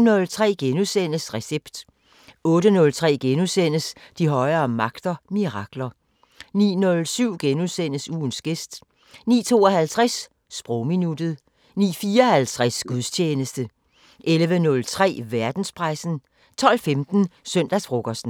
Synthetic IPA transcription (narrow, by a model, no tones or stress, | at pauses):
nɔ̽lt͡sʰʁɛ̰ːɡ̥enusen̰əsʁɛseb̥d̥ | ɔ̽ːɾənɔ̽lt͡sʰʁɛ̰ːɡ̥enusen̰əsd̥iɦɒ̽ɪɐːmɑ̈ɡ̥d̥ɐmiʁɑ̈ɡ̥lɐ | nḭːnɔ̽lsyʊ̰ɡ̥enuðˠsen̰əsuːnsɡ̥e̝sd̥ | nḭːt͡sʰo̝ːɒhælt͡sʰʁɛs | sb̥ʁɔʊminud̥ð̩ˠ | nḭːfiːɐɒhælt͡sʰʁasɡ̥uðˠst͡ɕʰeːnəsd̥ə | ʔelʋənɔ̽lt͡sʰʁɛ̰ːʋæɐd̥n̩spʰʁɑ̈ɪsn̩ | t͡sʰɒ̽l̰femd̥n̩sœn̰d̥æsfʁoɡ̥ɒsd̥n̩